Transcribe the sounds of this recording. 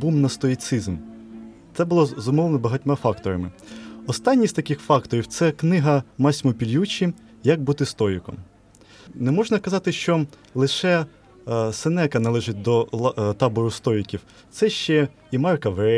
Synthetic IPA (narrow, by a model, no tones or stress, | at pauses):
bumnɐst̪ɔit̪sɪzm | t̪sɛbʊlˠɔzɔmɔʋlˠenɔbɐɦɐtʲmɑfɑkt̪ɔɾɐmɪɔst̪ɑnʲːisʲt̪ɐkɪxfɑkt̪ɔɾʲiwt̪sɛknɪɦɐmɑsʲmɔpʲilʲjut͡ʃʲi | jɐk̚bʊt̪ɪst̪ɔɾʲikɔ̰m | nɛmɔʒnɐkɐzɑt̪ɪʃt͡ʃɔ | lˠɪʃɛ | senɛkɐnɐlˠɛʒɪt̚ʲd̪ɔt̪ɑbɔɾʊst̪ɔikʲiw | t̪sɛʃt͡ʃɛ | imɑrkɐʋɾɛ